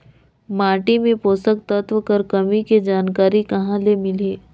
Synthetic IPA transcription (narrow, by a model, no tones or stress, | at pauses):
maːʈimẽpoːsək̚t̪ɐt̪ʋəkɐɾkɐmiked͡ʒaːnkaːɾikɐɦãlemɪleː